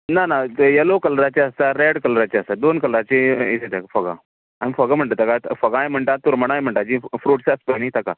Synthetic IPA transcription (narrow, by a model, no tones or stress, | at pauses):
nanajəlokəlɾat͡ɕeəst̪aɾeɽkəlɾat͡ɕeəst̪ad̪onkəlɾat͡ɕeḛt̪ʰet̪ʰakafəɡa̰ | amifəɡam̤əɳʈ̪at̪akafəɡãjm̤əɳʈat̪uɾməɽ̃ãjm̤əɳʈad͡ʑifɾuːʈsəspəɡñit̪ʰaka